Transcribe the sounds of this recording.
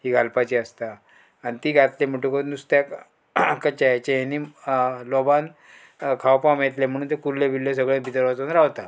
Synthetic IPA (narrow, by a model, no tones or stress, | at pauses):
hiːɡʱalpat͡ɕiːəst̪a | añit̪iːɡʱat̪lem̤əʈukot̪nust̪jak | kət͡ɕajt͡ɕejenilɔban | kʰawpamet̪lem̤əɽ̃uːnt̪̬ekuɾlebʱilːes̬əɡɭẽbʱid̪əɾʋat͡sonɾaʋt̪a